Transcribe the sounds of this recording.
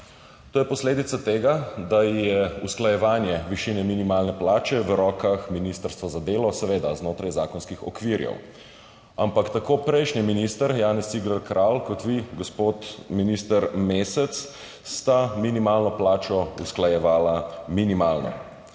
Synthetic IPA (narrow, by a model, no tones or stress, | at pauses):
t̪oːjɛpɔsleːd̪it̪sat̪eːɡad̪ajɛusklajɛʋaːnjɛʋiʃiːnɛminimaːlnɛplaːt͡ʃɛʋɾɔːkaxminist̪əɾst̪ʋazad̪eːlɔsɛʋeːd̪aznoːt̪ɾajzaːkɔnskixɔ̰kʋiɾjɛ̰w | ampakt̪akoːpɾɛjʃniminist̪əɾjaːnɛsiɡləɾkɾʔalkɔt̪ʋiɡospoːt̪minist̪əɾmeːsɛt̪s | st̪aminimaːlnɔplaːt͡ʃɔusklajɛʋaːlaminimaːlnɔ̰